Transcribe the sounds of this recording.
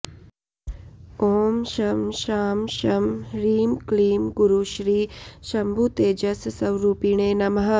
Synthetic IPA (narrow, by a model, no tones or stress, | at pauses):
koːmʃɐmʃaːmʃɐmɾiːmkliːmɡuɾuʃɾiːʃɐmbʱut̪eːd͡ʒɐssɐwɾuːpiɳ̃eːnɐmɦɐ